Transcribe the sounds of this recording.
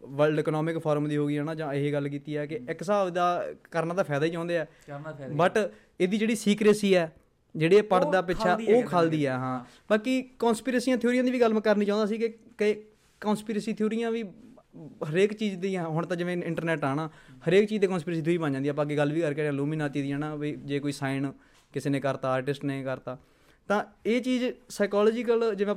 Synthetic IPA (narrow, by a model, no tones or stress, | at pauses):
ʋəlɖeːknɔːmɪkpʰaːɾəmd̪iːɦoːɡiːɦɛːnãːd͡ʒãːɪɦeːɡəlk̬iːt̪iːɛːkɪɪksaːd̪aːkəɾnaːd̪aːpʰɛːd̪aːiːt͡ʃãːnd̪eːɛː | bəʈ | eːd̪iːd͡ʒeːɽiːsiːkɾeːsiːɛː | d͡ʒeːɽeːpəɽd̪aːpɪt͡ʃʰaːoːkʰaːld̪iːɛːɦãː | baːkiːkõːnspiːɾəːsiːãːt̪ʰijoːɾijãːd̪iːʋiːɡəl̃ːkəɾniːt͡ʃãːnd̪aːsiːkɪ | kː | kɔːnspiːɾəːsiːt̪ʰoːɾiːãːʋiː | ɦəɾeːkt͡ʃiːd͡ʒd̪iːɦʊɳt̪ãːd͡ʒɪʋẽɪ̃ɳʈəɾnɛːʈaːnaːhəɾeːkt͡ʃiːd͡ʒd̪eːkɔ̃ːnspiɾeːsiːoːiːbə̃nd͡ʒãːnd̪iːapãːk̬iɡəlːʋiːkəɾkɛɾãːluːmĩːnaːt̪t͡ʃiːd̪iɛːnãːʋiːd͡ʒeːkoːiːsaːɪn | kɪseːnẽːkəɾt̪aːaːɾʈɪsʈnẽːkəɾt̪aː | t̪ãːeːt͡ʃiːzsaːɪkaːlɔːd͡ʒɪk̬əld͡ʒɪʋẽː